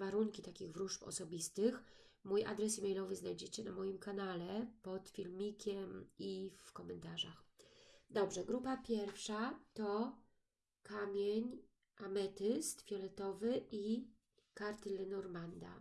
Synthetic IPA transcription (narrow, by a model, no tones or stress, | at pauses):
vaɾuŋkʲit̪akʲiɣvɾuʂpɔ̰sɔbʲist̪ɘx | muja̰d̪ɾɛsimɛjlɔvɘznajd͡ʑɛt͡ɕɛnamɔjimkanalɛpɔt̪fʲilmʲikʲɛmifkɔmɛnt̪aʐaxd̪ɔbʐɛɡɾupapʲjɛɾfʂat̪ɔ | kamʲjeɲ | ʔamɛt̪ɘst̪fʲjɔlɛt̪ɔvɘʔi | kaɾt̪ɘlɛnɔɾmand̪a̰